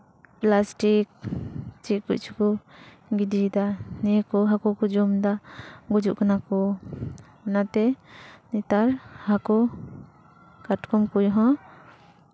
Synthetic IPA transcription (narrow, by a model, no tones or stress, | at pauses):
plasʈik̚t͡ʃiʔkuʔ̚t͡ʃʰukɔ | ɡid̪id̪anɛjkɔɦakɔkɔd͡ʒɔmd̪aɡud͡ʒuʔkanakɔ | ɛnat̪ɛnɛt̪aɾhakɔ | kaʈkɔmkujɦɔ̃